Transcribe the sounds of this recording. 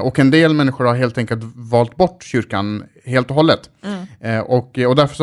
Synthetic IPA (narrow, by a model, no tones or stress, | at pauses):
ʔɔkɛnd̪eːlmɛnːɪɧʊɾhaɾɦeːlt̪ʰɛŋkəlt̪vɑːlt̪̚bɔʈːɕʏɾkan | heːlt̪ɔɦɔlːət̪ | ʔɔkːɔd̪æɾfœ̥ʂ